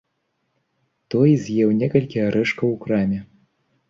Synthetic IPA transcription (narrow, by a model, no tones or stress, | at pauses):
t̪ɔjzʲjɛwnʲɛkɐlʲkʲijɐɾɛʂkɐwkɾamʲɛ